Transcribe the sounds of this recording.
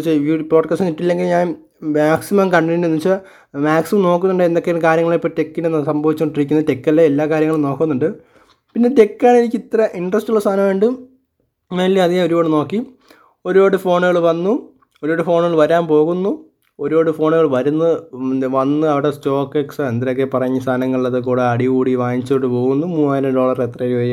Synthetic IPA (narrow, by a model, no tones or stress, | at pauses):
t͡ɕːeupoːʈkaːsʈɨniʈːilːe̞ŋɡilɲaːn | maːksimɐmkɐɳɖinɖunːit͡ɕːɐ | maːksimɐmno̞ːkːunːuɳɖɨend̪okːekaːɾjɐŋɐɭipːote̞kːinenːsɐmbʱɐʋit͡ɕːuoɳɖirik̬ʲːunːte̞kːɐlːɐelːaːkaːɾjɐŋːɐɭmno̞ːkːunːuɳɖɨ | pinːe̞te̞kːaːɳinikʲːit̪ːɐɾɐʔiɳɖrɐstːulɭːɐst̪ʰaːnɐmʋeːɳɖɨ | ʋɐlːiɐðijeo̞ɾuboːɽɨno̞ːkːi | o̞ɾuoːɽɨfo̞ːɳeɣɐɭʋɐnːu | oɾuoːɽɨfo̞ːɳɣɐɭʋɐɾaːnpo̞ːɣunːu | o̞ɾo̞ːɽɨfo̞ːɳeɣɐɭʋɐɾunːɨʋɐnːɨɐʋiɽe̞sto̞ːkːeksɨend̪ɾokːepɐrɐɲːɨst̪ʰaːnɐŋːɐɭiɭːɐðɨkuːɽeɐɽiɣuːɽiʋaːnit͡ɕːoɽɨpo̞ːɣunːumuːaːjɾɐɖo̞ːɭɐret̪rɐɐɾʋɐ